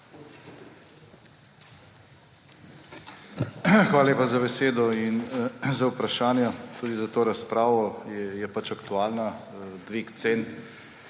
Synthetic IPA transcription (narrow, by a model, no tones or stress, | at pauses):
xʋaːlaleːpazabɛseːd̪ɔinzawpɾaʃaːnjat̪uːd̪izat̪oːɾaspɾaːʋɔɛjɛpat͡ʃakt̪uaːlnad̪ʋiːkt̪seːn